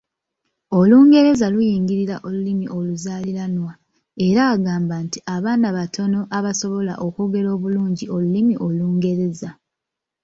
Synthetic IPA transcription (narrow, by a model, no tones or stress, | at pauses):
o̞luːŋɡe̞ɾe̞zalujiːŋɡiɾiɾaʔo̞lulimiʔo̞luzaːliɾanwa | e̞ɾaːɡaːmbaːntiʔaβaːnaβatʰo̞no̞ʔaβaso̞βo̞la̰ʔo̞kuɡe̞ɾo̞ːβuluːɲɟiʔo̞lulimiʔo̞luːŋɡe̞ɾe̞za